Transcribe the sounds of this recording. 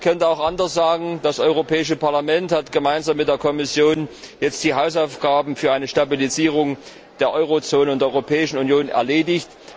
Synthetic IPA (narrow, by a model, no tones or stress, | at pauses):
kʰœntəaʊxʔandɐsz̥aːɡŋ̩d̥asʔɔʏʁ̞opʰɛːɪʃəpaɐlamɛnthatɡ̥əmaɪnzaːmːɪt̚d̥eːɐkʰɔmɪsjoːn | jɛt͡std̥iːɦaʊsaʊfɡ̥aːbm̩fyːɐʔaɪnəʃtabiliziːʁ̞ʊŋ | d̥eːɐʔɔʏʁot͡soːnənʊndeːɔʏʁopʰɛːɪʃn̩unjoːnɛ̰ɐleːdɪçt